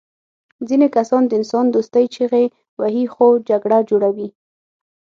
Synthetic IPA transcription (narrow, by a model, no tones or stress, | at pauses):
zinekasɑnd̪əɪnsɑnd̪ost̪əjt͡ʃeɣe | waɦixod͡ʒaɡɽad͡ʒoɽawi